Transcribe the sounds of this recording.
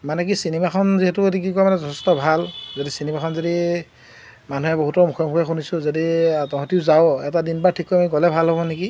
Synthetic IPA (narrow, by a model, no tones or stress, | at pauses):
manɛk̬isinɛmakʰɔnziɦetʊedikikɔamanɛzɔtʰɛstɔbʱalzodisinɛmakʰɔnzodi | manuɦɛboɦutɔmukʰɔmukʰɛxunisʊ̃zoditɔɦɔ̃tiʊzaoɛtadinbatʰikːɔjmanikɔlɛbʱalɦɔbɔneki